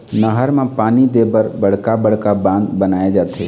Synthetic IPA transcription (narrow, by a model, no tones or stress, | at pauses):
nəɦəɾmẽpaːnid̪eːbəɾbəɽ̤kabəɽ̤kabãːnd̪bənaːed͡ʒaːt̪ʰeː